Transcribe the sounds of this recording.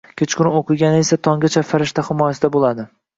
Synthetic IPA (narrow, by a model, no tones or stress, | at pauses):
kʲʰet͡ʃkʰʊɾoqʰɨɡʲanɪesat̪ʰɒŋʲat͡ʃʰafaɾɪʃt̪ʰahɪmɒjasɪd̪abolˠad̪ɪ